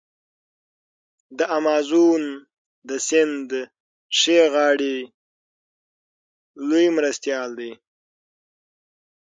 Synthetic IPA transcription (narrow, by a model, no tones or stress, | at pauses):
d̪əʔamɑːzun | d̪əsɪnd̪ | ʂeɣɑːɽi | lojmɾast̪jɑːld̪e